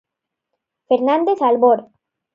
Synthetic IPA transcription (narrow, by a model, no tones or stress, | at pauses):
feɾnand̪esalboɾ